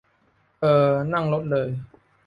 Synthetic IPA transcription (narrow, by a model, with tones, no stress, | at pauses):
ʔɤː˨˩na˥˧˩ŋlo˦˥t̪̚ləː˨˩j